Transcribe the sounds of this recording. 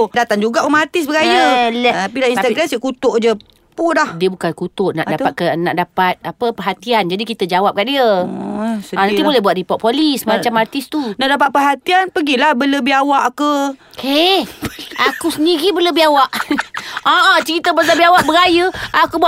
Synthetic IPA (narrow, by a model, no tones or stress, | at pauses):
dat̪aŋd͡ʒuɡaʔumart̪ɪs̬bəɡajəlapilainst̪aɡɾamsiəkut̪oʔd͡ʒə | pudahdiəbukankut̪ʊʔna̰ʔdat̪pat̪̚kənaʔdapat̪̚apəpəɦat̪iand͡ʒadikit̪əd͡ʒawap̚kaʔdiə | sanant̪ibolɛhbuat̪̚dipɔt̪ʔ̚polismat͡ʃamart̪ɪst̪unaʔdap̬at̪̚pəɦat̪ianpəɡilahbələbiawaʔkəke | akusəndiɣibələbiawaʔ | aʔat͡ʃəɾit̪əbasabiawaʔbəɾajəakubua